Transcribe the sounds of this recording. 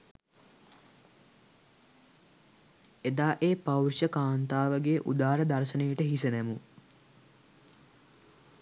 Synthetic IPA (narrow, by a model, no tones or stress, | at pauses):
ed̪aːʔeːpawrʃəkaːnt̪aːʋəɡeʔud̪aːɾəd̪aɾʃənejəʈəɦisənæmu